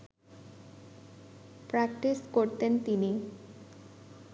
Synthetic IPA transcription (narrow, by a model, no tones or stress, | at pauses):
pɾakʈiskoɾt̪ent̪ini